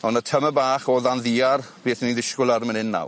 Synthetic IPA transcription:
ɔnatʰəməbaːχɔːðanðiːarb̥eːθəninðɪʃkʊlˠarmənɪnːa̰w

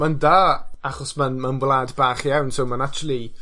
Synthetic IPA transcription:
mandaːaχɔsmanmanwlˠaːdbaːχjawnsowmanat͡ʃuwlˠi

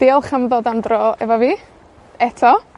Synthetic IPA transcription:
d̥eːɔlˠχəmðɔdandrɔɛ̰vɔviː | ɛtʰɔ

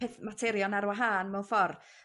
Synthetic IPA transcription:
eθmatʰɛɾjɔnaɾwaɦaːnmɛwnfɔr

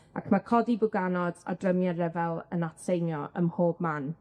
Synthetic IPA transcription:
a̰kʰmakʰɔdibʊɡanɔda̰drəmjaɾɛvɛlˠə̰natsejnjɔʔə̰mhoːb̚man

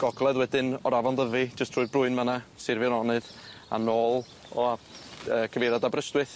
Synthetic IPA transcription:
ɡ̥ɔɡlˠɛðwɛdɪnɔɾavɔndəvid͡ʒəstʰrʊːɨðbrʊɨnmənasɪrvjɔnɔnɨða̰noːlˠ | ɔaəːkʰəveɾadabrəstwɨθ

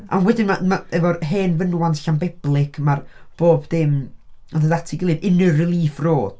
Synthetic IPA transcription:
ʔa̰nwɛdɪnmamaɛvɔɦeːnvənwantɬambɪb̥lˠɪkʰmarb̥oːbðɪməðədatʰiɡəlˠɨvɪnɨrrɪlˠiːfroːd̥

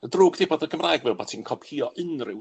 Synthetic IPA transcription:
ədruːɡd̥ɪbɔːdəɡəmraːjɡvɛlˠbatʰiːnkʰɔb̥hiːɔʔənrɪw

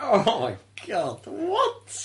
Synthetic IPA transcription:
oʊmaɪɡ̥ɑd̥wʌts

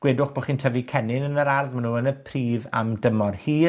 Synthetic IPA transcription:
ɡ̥weːdʊχb̥oχiːntʰəvikʰɛnɪnənəɾarðmanuːənəpʰriːva̰mdəmɔrhiː

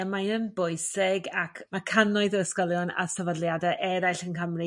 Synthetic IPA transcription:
majənbʊɨsɪɡakʰmakʰanɔɨðəəskɔlˠjɔna̰səvadlˠjadaʔɛɾajɬənkəmri

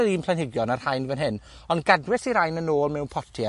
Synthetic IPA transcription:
ɛlˠiːmplanɪɡjɔnar̥hajnvənɦɪn | ɔnɡadwɪsiɾajnənoːlˠmɛwnpʰɔtʰi

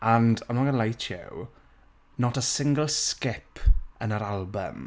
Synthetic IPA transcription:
ãndamaɡənəlajtʰɛ̰w | nɔtəsɪ̃ŋɡəlˠskɪpʰənəɾalˠbə̰m

